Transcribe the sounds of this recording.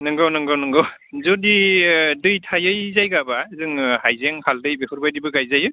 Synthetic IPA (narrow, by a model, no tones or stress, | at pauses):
nɯŋɡawnɯŋɡawnɯŋɡaw | zɔdidɯjtʰajɯjzajɡabazɯŋhajzeŋhaldɯjbehɯɾbajdibɯɡajzajɯ